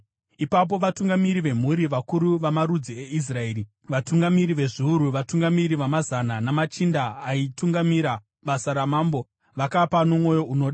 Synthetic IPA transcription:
ipap̬o̞ʋatuŋɡamiɾiʋe̞m̤uɾiʋakuɾuʋamaɾud͡zie̞is̬rae̞ːɾi | ʋatuŋɡamiɾiʋe̞ʐiuɾuʋatuŋɡamiɾiʋamazananamat͡ʃindaːituŋɡamiɾa | ɓasaɾamaːmbo̞ | ʋakapano̞mwo̞jo̞uno̞ːɗa

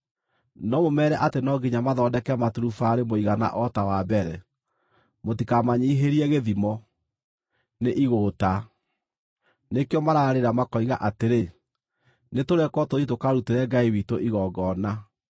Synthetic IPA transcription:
nɔmomɛːɾɛʔatenɔɡiɲamaðɔːdɛkɛmatuɾufaːɾemoiɣana̰ʔɔtawabɛɾɛ | motikamaɲiːɦeɾiɛɣeðimɔ | neʔiɣoːta | nekeɔmaɾaɾeɾamakɔiɣaʔateɾe | netoɾɛkwɔtoðitokaɾuteɾɛɡaiwitoʔiɣɔɡɔna

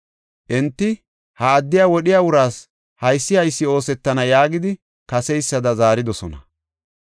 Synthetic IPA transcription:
ʔɛnt̪ːɪ | haːd̪ːɪjaːwɔɗɪjaːwʊɾaːs | hɐjsːɪhɐjsːɪo̞ːsɛt̪ːɐnɐjaːɡɪd̪ɪ | kɐsɛjsːɐd̪ɐzaːɾɪd̪ɔsɔnɐ̰

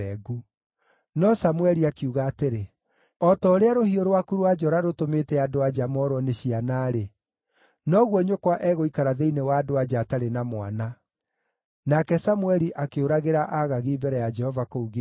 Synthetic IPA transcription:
ɛɡu | nɔsamwɛɾiakeuɣaːteɾe | ɔtɔɾeaɾohioɾowakuɾoad͡ʒɔɾaɾotometɛadoad͡ʒamɔɾwɔneɕianaːɾe | nɔɣwɔɲokwaʔɛɣoikaɾaðeinewaːdoad͡ʒaːtaɾenamwa̰na | nakɛsamwɛɾiʔakeoɾaɣeɾaʔaɣaɣiːbɛɾɛjad͡ʒɛhɔvakouɣe

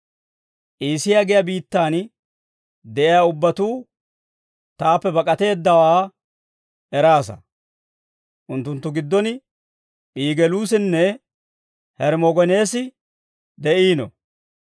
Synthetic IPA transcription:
ʔiːsɪjaɡɪjɐbiːt̪ːaːn | d̪ɛʔɪjaʊbːɐt̪uː | t̪aːpːɛbɐkʼɐt̪e̞ːd̪ːɐwaː | ɛɾaːsɐ̰ | ʔʊnt̪ːʊnt̪ːʊɡɪd̪ːɔn | ʔiːɡɛluːsɪnːɛ | hɛɾmɔɡɔne̞ːsɪ | d̪ɛʔiːnɔ̰

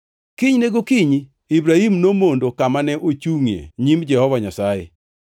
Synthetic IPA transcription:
kiɲneɡokiɲ | ibɾahimnomondokamanɛʔot͡ʃuŋjḛɲimd͡ʒɛhɔvaɲasajɛ̰

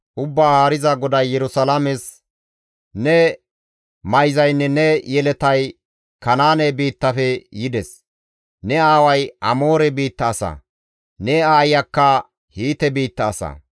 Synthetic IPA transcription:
ʔʊbːaːhaːɾɪzɐɡɔd̪ɐjːɛɾʊsɐlamɛs | nɛ | mɐjzɐjnːɛnɛjɛlɛt̪ɐj | kɐnaːnɛbiːt̪ːɐfɛjɪd̪ɛs | nɛaːwɐjʔɐ̰mo̞ːɾɛbiːt̪ːɐːsɐ̰ | nɛaːjɐkːɐ | hiːt̪ɛbiːt̪ːɐːsɐ̰

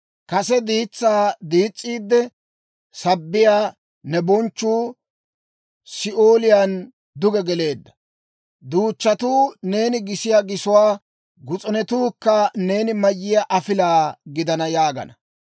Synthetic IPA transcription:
kɐsɛd̪iːt͡sːaːd̪iːt͡sʼːiːd̪ːɛ | sɐbːɪjaː | nɛbɔnt͡ʃːuː | sɪʔoːlɪjan | d̪ʊɡɛɡɛle̞ːd̪ːɐ̥ | d̪uːt͡ʃːɐt̪uːne̞ːnɪɡɪsɪjaːɡɪsʊwaː | ɡʊt͡sʼɔnɛt̪uːkːɐne̞ːnɪmɐjːɪjaʔɐfɪlaːɡɪd̪ɐnɐjaːɡɐ̰nɐ

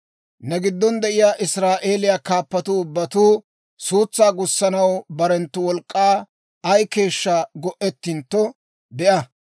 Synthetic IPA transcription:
nɛɡɪd̪ːɔnd̪ɛʔɪjaːʔɪsɾaːʔe̞ːlɪjaːkaːpːɐt̪ʊʊbːɐt̪uː | suːt͡sːaːɡʊsːɐnɐwbɐɾɛnt̪ːʊwɔlkʼːaː | ɐjke̞ːʃːaɡɔʔɛt̪ːɪnt̪ːɔ | bɛʔɐ

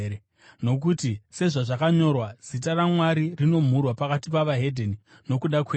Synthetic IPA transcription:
no̞k̬utise̞ʐaʐakaɲo̞rwaz̥it̬aramwaɾirino̞m̤urwapakatipaʋaɦe̞dʱeni | no̞kuɗakweː

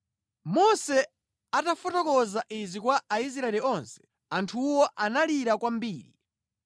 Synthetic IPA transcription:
mɔsɛ | atafɔtɔkɔzaʔizikwaʔais̬ɾaɛliɔnsɛ̥ | antʰuwɔʔanaliɾakwambiːɾḭ

